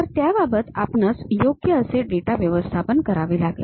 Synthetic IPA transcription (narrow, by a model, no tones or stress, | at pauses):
əɾt̪jababət̪a̰pnat͡sjoɡjəːseɖeʈaʋjəʋəst̪ʰapənkəɾaʋelaɡlḛ